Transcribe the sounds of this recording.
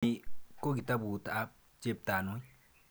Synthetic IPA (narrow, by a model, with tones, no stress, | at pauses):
i˦ko˦ɡi˨ta˦bu˨ta˦ | t͡ʃe˦p̚ta˨nwi˦